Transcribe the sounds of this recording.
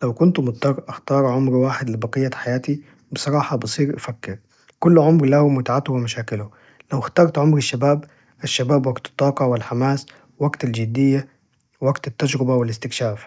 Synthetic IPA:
lawkʊnt̪mʊt̪ˤːɑrˤʔaxt̪ɑːɾˤʕʊmɾwaːħɪd̪lɪbɑqɨjːaħajaːt̪i | bɨsˤɑɾˤɑːħɑbɨsˤiːɾʔafakːɪɾ | kʊlːʕʊmɾlahʊmʊt̪aʕat̪ʊwɪmaʃaːkɪlʊ | lawxt̪ɑːɾˤt̪ʕʊmɾɪʃːabaːb | ʔaʃːabaːbwaɡt̪ɪ̥t̪ˤːɑːqɑwɪlħamaːs | waɡt̪ald͡ʒɪd̪ːɪjːa | wwaɡt̪at̪ːad͡ʒɾɪbawɪlɪst̪ɪkʃaːf

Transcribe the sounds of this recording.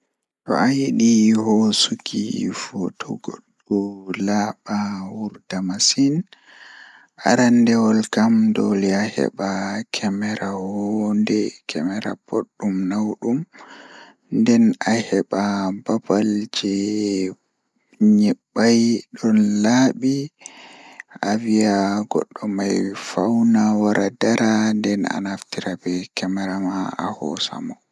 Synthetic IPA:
tɔ̰ʔajeɗihɔsukʰḭfutʰɔ̰ɡoɗ | ulaɓawuɾdamasin | ʔa̰ɾandɛwɔlkamdɔ̰liahɛ̰ɓakʰɛmɛɾahɔndɛkʰɛmɛɾa̰pʰoɗːumnawɗum | ndɛnahɛɓababald͡ʒɛ | ɲɛɓajɗɔnlaːɓi | avijaɡɔ̰ɗːɔmajfawnawaɾʔadaɾandɛna̰naftiɾabɛkɛmɛɾamaa̰hɔ̰sa̰mɔ

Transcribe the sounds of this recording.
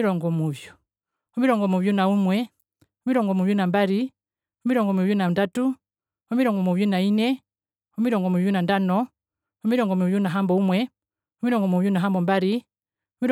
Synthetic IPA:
iɾɔŋɡɔmuvju | umiɾɔŋɡɔmuvjunaumwɛ | umiɾɔŋɡɔmuvjunambaɾi | umiɾɔŋɡɔmuvjunandatu | umiɾɔŋɡɔmuvjunainɛ | umiɾɔŋɡɔmuvjunandanɔ | umiɾɔŋɡɔmuvjunaɦambɔumwɛ | umiɾɔŋɡɔmuvjunaɦambɔmbaɾi | umiɾ

